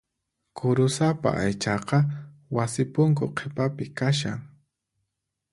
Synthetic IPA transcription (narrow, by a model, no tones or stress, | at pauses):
kʰʊɾʊsapa̰ʔajt͡ʃɑqɑ | wasɪpʊŋkʊqʰepapɪkaʃa̰ŋ